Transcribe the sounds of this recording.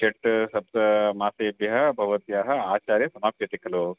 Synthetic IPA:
t͡ʃeʈsɐb̚t̪ɐmaːseːbjɐɦɐbʱɐʋɐt̪jaːɦɐaːt͡ʃaːɾjɐsɐmaːpjɐt̪ikɐloː

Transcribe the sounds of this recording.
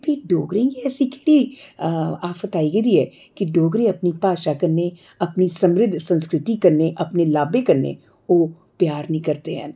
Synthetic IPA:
bʱiɖoːɡɾẽkiɛːsikeɽi | aːfət̪aːiɡɐd̪iɦɛ | kiɖoːɡɾẽɐpnipaːʃakɐɾne | ɐpnisɐ̃mɾɪd̪ʱːsɐ̃nskɾɪt̪ikɐɾneʔɐpnelaːbekɐɾnḛ | oː | pjaːɾnɐɦĩkɐɾt̪eɦɛ̰̃n

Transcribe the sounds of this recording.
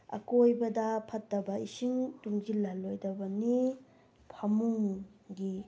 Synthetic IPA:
ɐ̰kojbɐdɐpʰɐt̚ːɐbɐisiŋtuŋd͡ʒilɐlojdɐbɐni | pʰɐmuŋɡi

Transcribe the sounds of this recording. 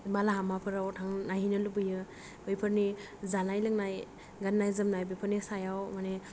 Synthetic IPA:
balaɦamapʰɯɾawtʰaŋnaɦinɯlubɯjɯ | bɯjpʰɯɾni | zanajlɯŋnaj | ɡanːajzɯmnajbɯpʰɯɾnisajawmane

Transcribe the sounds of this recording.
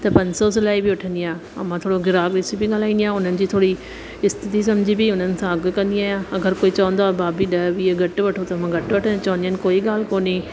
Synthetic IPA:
t̪eːpə̃ɲsoːs̬ɪlaːibʱiːʊʈʰə̃nd̪ɪjãː | ə̰mãːt̪ʰoːɽoːɡɪɾaːkɾɪsibʱiːɡaːlaːĩːd̪jãːʊnənɪ̆d͡ʒiːt̪ʰoːɽiː | ɪst̪ɪt̪iːs̬əmd͡ʒiːbiːʊnənɪ̆sãːəɡkə̃nd̪ɪjãːəɡəɾkoːiːt͡ʃɔ̃ːnd̪aːbaːbiːɗəːbiːeɡəʈʋəʈʰoːt̪emãːɡəʈʋəʈʰənt͡ʃɔ̃ːnd̪iə̃nkoːiːɡaːlkoːneː

